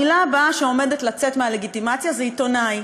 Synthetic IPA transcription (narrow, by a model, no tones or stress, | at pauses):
ilabaʃeo̞me̞det̪lat͡set̪meale̞ɡit̪imat͡sjazeit̪o̞naj